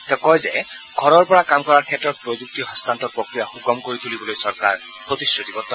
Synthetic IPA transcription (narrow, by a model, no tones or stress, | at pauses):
t̪ɛkɔjzɛ | ɡʱɔɹɔɹpɔɹakamkɔɹaɹkʰɛtɹɔt̚pɹozuk̚t̪iɦɔst̪ant̪ɔt̚pɹokɹijaxuɡɔmkoɹit̪ʰulibɔlojsɔɹka̰ɹ | pɹot̪isɹot̪ibɔt̪ːɔ